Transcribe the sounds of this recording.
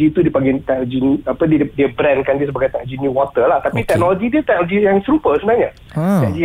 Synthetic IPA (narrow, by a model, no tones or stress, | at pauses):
iːt̪udiəpaŋɡit̪ɛk̚ld͡ʒiniapədidiəbɾɛ̃nkandiəsəbaɡajt̪ɛkd͡ʒiniwɔt̪əlaht̪apit̪ɛk̚nolod͡ʒidiət̪ɛk̚noloɡijaŋsəɾupəsəbənaɲa | t̪ɛkd͡ʒi